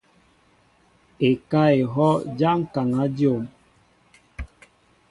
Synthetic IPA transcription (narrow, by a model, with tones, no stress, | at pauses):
e˨ka˦e˨ɦɔ˦d͡ʒa˦ŋ̩˦˨ka˨ŋa˦djo˦˨m